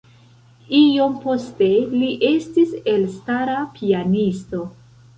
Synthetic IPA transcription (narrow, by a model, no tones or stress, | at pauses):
io̞mpo̞ste̞liʔe̞stise̞lstaɾapʰianisto̞